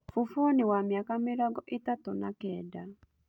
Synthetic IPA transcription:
fufonɪwamjakamɪɾɔɡɔʔɪtatɔnakɛda

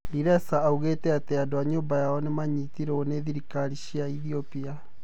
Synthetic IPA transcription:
ɾiɾɛsaːuɣetɛateadoaɲoːmbajaɔnemaɲitiɾeoneðiɾikaɾiɕiaiðiopia

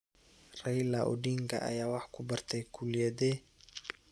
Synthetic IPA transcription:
rɛjlaʔɔ̰ɖiːŋkʰɐ̰ʔɐ̰jaːwɑħkʰʊbɐrt̪ʰɛjkʰulɪjɛðɛ

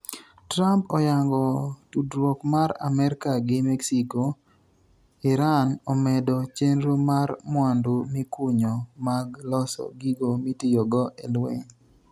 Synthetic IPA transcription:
tɾampɔjaŋɡɔtudɾwokmaɾa̰mɛɾkaɡɪmɛksiko | ɪɾanɔmɛdɔt͡ʃenɾomarmwandʊmɪkuɲɔmaɡlɔsɔ̰ɡiɡomitijoɡɔʔelwḛŋ

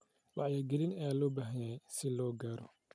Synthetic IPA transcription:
wɑʕjɐɡɛlɪnɐjaːlɔːbaːɦɐjɛjsɪlɔːɡaːɾɔ

